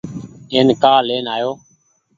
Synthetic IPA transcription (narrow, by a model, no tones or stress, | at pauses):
eːnkaːleːnaːjoː